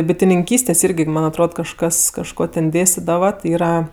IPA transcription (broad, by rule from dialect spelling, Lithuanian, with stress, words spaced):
bʲɪtʲɪnʲɪŋʲˈkʲiːsʲtʲeːs ˈɪrʲɡʲɪ ˈmɐnʲ ɐtˈroːt kɐʃˈkɐs kɐʃˈkoː tʲɛn ˈdʲeːsʲtʲɪdɐʋɐ tʲɪ ˈiːrɐ